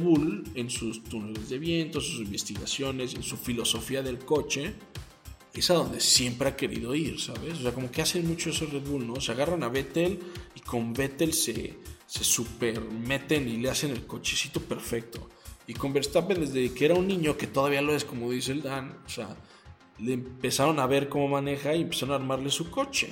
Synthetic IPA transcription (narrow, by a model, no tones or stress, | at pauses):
βule̞nsust̪une̞le̞zðe̞βje̞nt̪ons̬usimbe̞st̪iɣa̰sjo̞ne̞se̞nsufilo̞so̞fiaðe̞lko̞t͡ʃe̞ | e̞saðo̞nd̪e̞sje̞mpɾe̞ake̞ɾḭðo̞iɾsaβe̞s̬oseako̞mo̞ke̞ase̞nmut͡ʃo̞e̞se̞reðβulno̞seaɣaranaβe̞t̪e̞liko̞mbe̞t̪e̞lsḛse̞supe̞ɾme̞t̪e̞nile̞ase̞ne̞lko̞t͡ʃesit̪o̞pe̞ɾfe̞k̚t̪o̞̰iko̞mbeɾst̪apeðezðekeeɾaunːĩɲo̞ke̞t̪o̞ðaβialoe̞sko̞mo̞ðis̬eld̪anosea̰ | lempe̞saɾo̞naβe̞ɾko̞mo̞mane̞xaiempe̞saɾonaɾmaɾle̞suko̞t͡ʃe̞̰